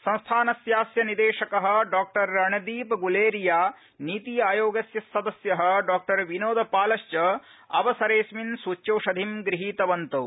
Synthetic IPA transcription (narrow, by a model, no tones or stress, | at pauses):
sɐ̃ñst̪ʰaːnɐsjaːsjɐnid̪eːʂɐkɐɦɐ̆ɖaːk̚ʈɐɾːɐɳɐd̪iːpɐɡuleːɾijaː | niːt̪iaːjoːɡɐsjɐsːɐd̪ɐsjɐɦɐ̆ɖaːk̚ʈɐɾʋinoːd̪ʱɐpaːlɐʃt͡ʃɐɐ̰ʋɐsɐɾeːsminsuːt͡ʃːjɐwʂɐd̪ʱimɡɾiɦiːt̪ɐʋɐnt̪ɐw